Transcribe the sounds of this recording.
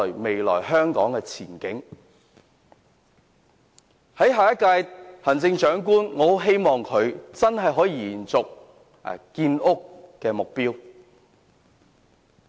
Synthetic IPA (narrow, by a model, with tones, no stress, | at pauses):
me˨jlɔ̰ː˨˩jɦœː˥ŋkɔː˨˥ŋkɛː˧t͡sʰiː˨˩nkɪ˨˥ŋ | hɐ˨˥jɦaː˨˩jɐ˥t̚kaː˧jhɐ˨˩nt͡sɪ˧ŋt͡ʃœː˨˥ŋkuː˥nŋɔː˨˧˥ɦe˥jmɔː˨ŋkʰɵ˨˧ɥt͡sɐ˥nɦɐ˨˩jɦɔː˨˥jiː˧jiː˨˩nt͡sʊ˨k̚ | kiː˧nʔʊ˥kːɛː˧mʊ˨k̚piː˥w